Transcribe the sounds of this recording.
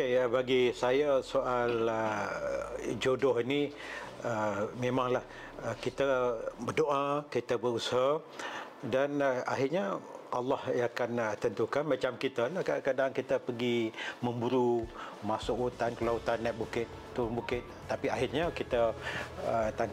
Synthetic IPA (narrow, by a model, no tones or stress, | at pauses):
ebaɡisajasoʔalə | d͡ʒodɔɦini | əmemaŋlah | kit̪əbərdoʔakit̪əbəɾusa | danaɦɪrɲaʔalːɑhjakanət̪ənt̪ukanmat͡ʃamkit̪əlahkakadaŋkit̪əpəɡiməmbuɾumasʊkut̪ankəlaut̪anːɛʔ̚bukɪt̪̚t̪ːuŋbukɪt̪̚ːapiaɦɪrɲakit̪ə | ət̪an